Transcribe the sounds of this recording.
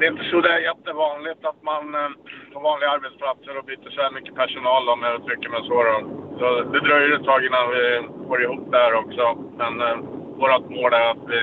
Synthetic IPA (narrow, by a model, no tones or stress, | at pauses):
d̪ɛɪnt̪əsɔd̪ɛæɾjɛt̪ːəvɑːnlɪt̪at̪manfɔːɾvɑːnlɪɡaaɾbɛt̪spʰlat̪səɾɔbyːt̪əʂɛmʏkːəpʰæʂʊnɑːld̪ɔmɛɔt̪ʰɾʏkːəmɛsoɾɔsɔd̪ɛd̪ɾɑːɾjʏɾɛt̪ʰːɑːɡɪnːanvɪfoːɾɪɦuːp̚ːd̪ɛæːɾɔksɔmɛnvoːɾat̪moːɖ̪æɾat̪vɪ